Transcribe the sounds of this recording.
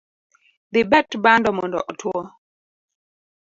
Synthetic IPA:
ðibɛtbandɔmɔndɔ̰ʔɔtʰwɔ

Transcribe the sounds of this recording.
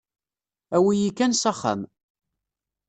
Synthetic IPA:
æwijikːænsɑχa̰m

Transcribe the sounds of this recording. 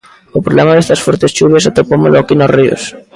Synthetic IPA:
opɾolemaðest̪ɐsfoɾt̪esʃuβjasat̪ɾopomeloakinosrio̰s

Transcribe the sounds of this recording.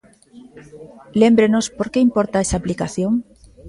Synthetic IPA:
le̞mbɾenospoɾke̞impoɾt̪aesaːplikaθjoŋ

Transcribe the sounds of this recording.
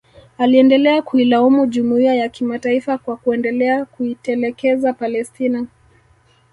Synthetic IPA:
aliɛndɛlɛakuilaɔmuʄumuiajakimataifakwakuɛndɛlɛakuitɛlɛkɛzapalɛstina

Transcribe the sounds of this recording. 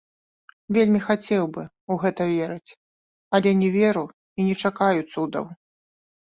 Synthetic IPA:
vʲelʲmʲixat͡sʲɛwbɨ | uɣɛt̪ɐvʲeɾɨt͡sʲ | ɐlʲɛnʲɛvʲɛɾu | inʲɛt͡ʂakajut̪sːud̪ɐ̰w

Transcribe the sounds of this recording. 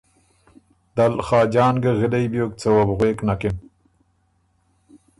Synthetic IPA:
d̪̥alxɑːd͡ʒɑːnɡəɣɪlejbjoːk̚t͡sawabɣweːknakɪm

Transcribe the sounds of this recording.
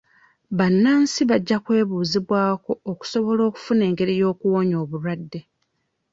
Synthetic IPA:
βanːaːnsiβaɟːakwe̞ːβuːziβwaːko̞oku̥so̞βo̞lo̞ːku̥fune̞ːŋɡe̞ɾijo̞ːkuwo̞ːɲo̞ːβuɾwadːe̞

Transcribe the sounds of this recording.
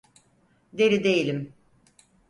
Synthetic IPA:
d̪e̞ɾid̪ejilʲim

